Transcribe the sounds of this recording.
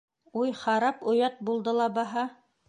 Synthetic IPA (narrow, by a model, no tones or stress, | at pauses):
ujχɑɾɑpŏjɑt̪̚bulˠd̪ɤlˠɑbɑɦɑ